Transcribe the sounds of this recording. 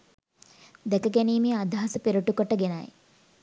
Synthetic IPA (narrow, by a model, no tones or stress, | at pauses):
d̪ɛkəɡeniːmiad̪ʱaɦɐsəpeɾuʈukoʈəɡena̰j